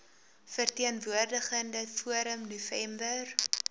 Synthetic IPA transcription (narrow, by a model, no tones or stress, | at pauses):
fərtiənvuərdəχəndəfuəɾəmnufɛmbər